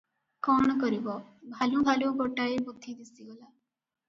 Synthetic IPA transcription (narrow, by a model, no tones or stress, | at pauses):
kɔɽ̃ɔkɔɾibɔbʱalubʱaluɡoʈaebud̪ʱːid̪isiɡɔla